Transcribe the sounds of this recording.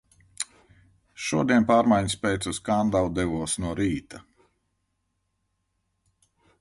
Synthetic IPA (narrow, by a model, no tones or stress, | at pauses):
ʃuɔd̪iɛnpaːɾmajɲspʲɛjt̪suskand̪awd̪ɛvuɔsnuɔɾiːt̪a